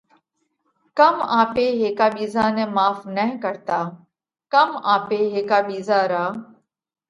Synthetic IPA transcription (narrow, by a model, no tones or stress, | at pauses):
kəmaːpeːɦeːkaːɓiːzaːnẽːmaːfnəɦkəɾt̪aː | kəmaːpeːɦeːkaːɓiːzaːɾaː